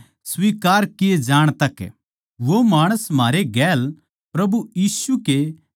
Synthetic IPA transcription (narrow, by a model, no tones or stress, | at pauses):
sʋiːkaːɾkɪed͡ʒaːɽ̃t̪ɐk | ʋomaːɽ̃əsm̤aːɾeɡɛːl | pɾɐbujiːsuke